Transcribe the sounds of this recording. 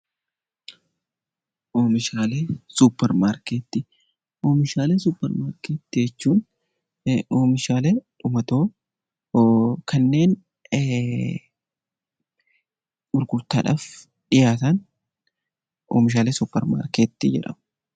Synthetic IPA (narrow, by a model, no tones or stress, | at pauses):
ʔoːmɪʃaːleːsupːɛɾmaːɾkeːt̪ːɪ | ʔoːmɪʃaːleːsuːpːɛɾmaːɾkeːt̪ːɪɛt͡ʃːuːn | oːmɪʃaːleᶑʊmɐt̪o̞ː | kʰɐnːe̞ːn | ɡʊɾɡʊɾt̪aːᶑaːf | ᶑɪjaːt̪ɐn | ʔo̰ːmɪʃ̬aːleːsʊpːɛɾma̰ːɾkeːt̪ːɪd͡ʒɛ̰ᶑɐ̰m